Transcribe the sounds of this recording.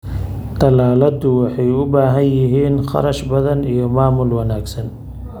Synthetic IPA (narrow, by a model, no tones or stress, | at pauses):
d̪ɐlaːlɐd̪ʊwɑħɑjʊbaːɦɐnjɪɦiːnχɑ̰ɾɐʃbɐðɐnijɔmaːmʊlwɐnaːɡsɐn